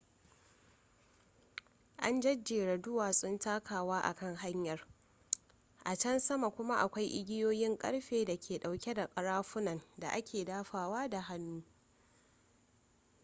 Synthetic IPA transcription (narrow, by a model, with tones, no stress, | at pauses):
ʔa˦nd͡ʒɐ˦d͡ʒeː˨ɽɐ˨dʊ˦waː˨sʼʊ˦ntaː˦kʰaː˨waː˦ʔa̰˨kɐ˦ŋɦa˦ɲjɐ˨r | ʔa˨t͡ʃɐ˦nsɐ˦ma˨kʷʊ˦ma˦ʔa˨kʷa˦jʔɪ˦ɡʲɪ˦joː˦jɪ˦ŋkʼɐ̰˦ɽɸeː˨da˨kʲʰeː˨ɗa˨wkʲɛ˦da˨kʼɐ˨ɽaː˦ɸʊ˦nɐ˨nda˨ʔa˦kʲeː˨daː˦ɸaː˨waː˦da˨ɦa˦nːuː˦